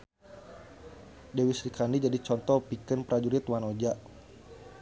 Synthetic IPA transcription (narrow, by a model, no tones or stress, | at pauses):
dewisɾikandid͡ʒadit͡ʃɔnt̪ɔpikənpɾad͡ʒuɾit̪wanɔd͡ʒaʔ